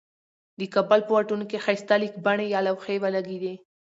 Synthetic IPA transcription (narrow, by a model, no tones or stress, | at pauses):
d̪əkabalpəwaʈunokexajst̪alik̚baɳejɑlawxewalaɡid̪e